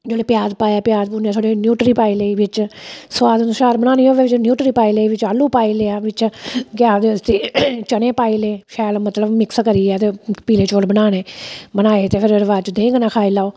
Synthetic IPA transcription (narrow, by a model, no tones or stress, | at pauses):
d͡ʒoːɽeːpɪjaːzpaːjaːpjaːzpuːniaːt̪ʰoːɽeːnjuːʈɾiːpaːiːleiːʋɪt͡ʃsʋaːd̪nuʃaːɾbəñãːniːoːʋeːʋɪt͡ʃnjuːʈɾiːpaːiːleiːʋɪt͡ʃaːluːpaːiːleːaːʋɪt͡ʃɡɪjaːd̪eːəst̪eːt͡ʃəneːpaːiːleːʃʰɛːlmət̪ləbmɪkskəɾiːɛːt̪eːpiːleːt͡ʃoːɽbənaːneːbənaːeːt̪eːpʰɪɾəɾʋaːt͡ʃd̪ẽːŋɡnãːkʰaːilaːoː